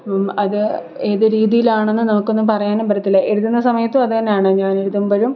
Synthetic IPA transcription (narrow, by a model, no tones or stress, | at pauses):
omɐðɨ | e̞ːðɨɾiːðijilaːɳe̞nːɨnɐmukːo̞nːumpɐrɐjaːnembɐɾɐt̪ːilːɐʔe̞ɻuðːunːɐsɐmɐjɐt̪ːɨɐðɨt̪ɐnːejaːɳɨɲaːne̞ɻuðːumboːɻum